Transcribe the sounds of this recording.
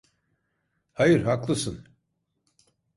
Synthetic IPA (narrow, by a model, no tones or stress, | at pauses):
hajɯɾɦaklˠɯsɯn